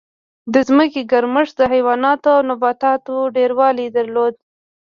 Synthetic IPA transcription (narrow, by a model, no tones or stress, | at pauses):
d̪əzməkeɡaɾməʂd̪əɦajwɑnɑt̪oawnabɑt̪ɑt̪oɖeɾwɑlid̪aɾlod̪̚